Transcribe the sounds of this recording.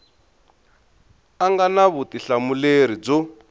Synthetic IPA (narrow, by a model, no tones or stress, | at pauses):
aŋɡanaβutiɬamuleɾid͡zʊ